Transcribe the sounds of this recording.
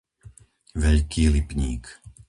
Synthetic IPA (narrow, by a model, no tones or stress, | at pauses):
ʋɛʎkʰiːlipɲiːk